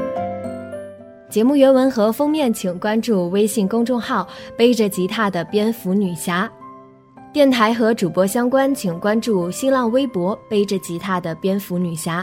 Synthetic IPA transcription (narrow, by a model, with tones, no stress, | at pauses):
t͡ɕjɛ˧˥mu˥˩ɥɛ˧˥nwə˧˥nxɤ˧˥fɤ˥ŋmjɛ˥˩nt͡ɕʰi˨˩ŋkwa˥nʈ͡ʂu˥˧we˥ɪɕi˥˩ŋkʊ˥ŋʈ͡ʂʊ˥˧ŋxɑ˥˩ʊpe˥ɪʈ͡ʂə˨t͡ɕi˧˥t̪ʰa˥˩d̪ə˩pjɛ˥nfu˧˥ny˨˩ɕja˥ | t̪jɛ˥˩nt̪ʰa˧˥ɪxɤ˧˥ʈ͡ʂu˨˩pwɔ˧˥ɕjɑ˥ŋkwa˥nt͡ɕʰi˨˩ŋkwa˥nʈ͡ʂu˥˩ɕi˥nlɑ˥˩ŋwe˥ɪpwɔ˧˥pe˥ɪʈ͡ʂə˨t͡ɕi˧˥t̪ʰa˥˩d̪ə˩pjɛ˥nfu˧˥ny˨˩ɕja˥